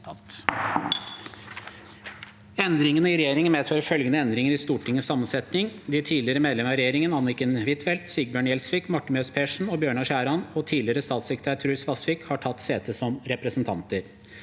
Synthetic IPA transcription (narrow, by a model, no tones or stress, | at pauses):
ɛnd̪ɾɪŋənəɪɾɛjeːɾɪŋənmeːd̪føːɾəfœlɡənəɛnd̪ɾɪŋəɾɪst̪uːʈʰɪŋːəsːɑmːənsɛt̪nɪŋd̪ɪt̪ʰiːlɪɾəmeːd̪ɛməɾɛjeːɾɪŋənɑnːɪkənʋɪt̪ʋɛlt̪siɡ̚bjøːɳjɛlsʋɪkmɑʈːənmøːspʰeːʂɳ̩ɔbjøːɳɑʃæːɾɑnɔt̪ʰiːlɪɾəst̪ɑːt̪sɛkɾɪt̪ʰæːt̪ʰɾʉːsʋɑsʋɪkhɑʈʰɑt̪ːseːt̪əsɔmɾɛpɾəsnt̪ʰɑ̰nt̪əɾ